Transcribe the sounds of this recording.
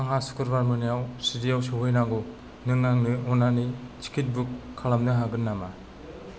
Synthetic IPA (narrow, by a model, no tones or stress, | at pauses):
aŋɦasu̥kʰɯɾbaɾmɯnijawsidijawsɯɦɯjnaɡu | nɯŋːaŋnɯɔnanit͡ʃi̥kʰit̚bukʰːalamdɯɦaɡɯnːama